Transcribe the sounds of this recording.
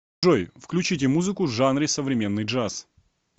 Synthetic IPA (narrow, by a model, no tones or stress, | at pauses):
ojfklʲʉt͡ɕit̬ʲɪmuzɨkʊvʐanɾʲɪsəvɾʲɪmʲe̞nːɨjʐas